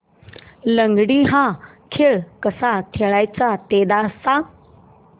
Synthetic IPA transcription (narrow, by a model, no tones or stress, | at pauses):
lə̃ŋɡɽiɦã | kʰeːɭkəsat̪ʰeɭaːjt͡sat̪eːd̪asã